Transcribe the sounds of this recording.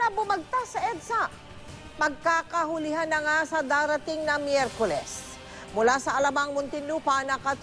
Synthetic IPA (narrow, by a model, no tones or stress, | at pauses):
ɐbʊmɐɡ̚t̪asɐʔɛd̪sa | mɐɡ̚kaːkɐɦʊlɪɦanːɐŋasɐd̪aːɾɐt̪ɪŋnɐmjɛɾkolɛs | mʊlasɐʔɐlɐmaŋmʊnt̪ɪnupɐnɐkɐt̪